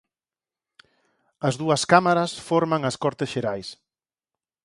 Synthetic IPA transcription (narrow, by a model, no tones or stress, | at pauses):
ɐzðuɐskamaɾɐsfɔɾmaŋɐskɔɾt̪ɪsʃeɾajs